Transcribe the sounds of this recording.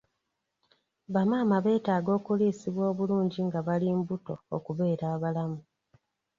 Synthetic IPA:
βamaːmaβe̞ːtaːɡo̞ːkuliːsiβwo̞ːβuluːɲɟiŋɡaβaliːmbuto̞okuβe̞ːɾaːβalamu

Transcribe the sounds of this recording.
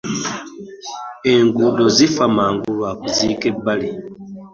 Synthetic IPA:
e̞ŋɡudozifamaːŋɡulwakuziːke̞bːali

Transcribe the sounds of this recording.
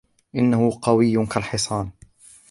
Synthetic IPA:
ʔɪnːahʊqɑwɪjːkalħɪsˤɑːn

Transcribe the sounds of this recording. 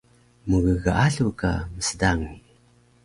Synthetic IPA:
muɣəɣaʔaɬuka̰məsədaŋi

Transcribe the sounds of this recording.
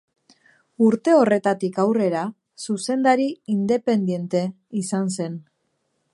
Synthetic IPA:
uɾt̪e̞o̞re̞t̪at̪ikawre̞ɾa | suse̞nd̪aɾiind̪e̞pe̞nd̪je̞nt̪e̞ | isanse̞n

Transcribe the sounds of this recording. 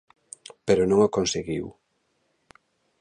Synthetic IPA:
peɾonõŋakonseɣiw

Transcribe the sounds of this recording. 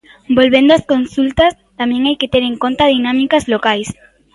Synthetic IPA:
bolβend̪oɐskonsult̪ɐs | t̪amɛ̃ŋajket̪eɾeŋkont̪að̞inamikazlokajs

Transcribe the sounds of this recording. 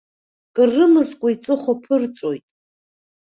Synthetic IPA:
kʼɨrːɨmɨzkʷʼait͡sʼɨχʷopʰɨrt͡sʷʼojtʼ

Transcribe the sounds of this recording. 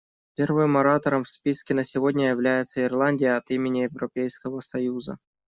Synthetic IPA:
pʲervɨmːɐɾat̪əɾəmfspʲiskʲɪnəsʲɪvo̞dʲnʲəjɪvlʲæjɪt̪səɪrlˠanʲdʲɪjəɐt̪imʲɪnʲɪjɪvɾɐpʲejskəvəsɐjuzə̰

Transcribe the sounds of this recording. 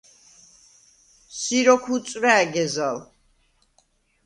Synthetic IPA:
siɾɔkʰut̪sʼɾaːɡɛzal

